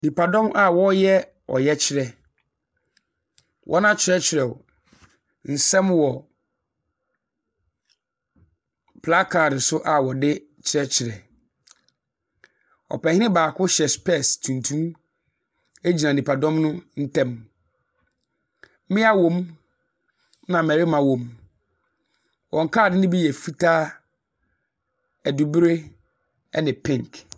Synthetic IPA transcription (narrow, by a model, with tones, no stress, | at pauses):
nĩ˨pʰa˨dɔ̃˦mʔa˦wɔ˦jɛ˦ | ɔ̰˨jɛ˦t͡ɕʰɪ˦ɾɛ˨ | wʔɔ̰˦nã˦t͡ɕʰɪ˨ɾɛ˦t͡ɕʰɪ˨ɾɛ˨ | n̩˨sɛ̃˦mwɔ˨ | pʰla˦kʰa˨ɾɪ˨sʊ˦ʔa˨wɔ˨dɪ˦ | t͡ɕʰɪ˨ɾɛ˦t͡ɕʰɪ˨ɾɛ˨ | ɔ̰˨pɛ˨hɪ˦nɪ̃˦baː˨kʰʊ˦ɕɛ˨spʰɛ˦˨stʰũ˨ntʰũ˦m | e˦d͡ʑi˨nã˨nĩ˨pʰa˨dɔ̃˦mnʊ̃˦n̩˦tʰɛ̃˦m˦ | mɪ̃˦a˦wõ˨m | nã˨mɛ˨ɾɪ˦mã˨wõ˨m | wʔɔ̃˨ŋ˨kʰaː˦˨dɪ˦nɪ̃˦bi˦jɛ˨fi˦tʰaː˦ | æ˨du˨bɾe˦ | ɛ˦nɪ̃˨pʰɪ̃˦ŋk